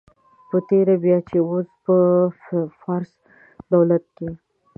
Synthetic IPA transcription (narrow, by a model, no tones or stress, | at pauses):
pət̪eɾabjɑt͡ʃeospə | fɑɾs | d̪awlat̪̚ke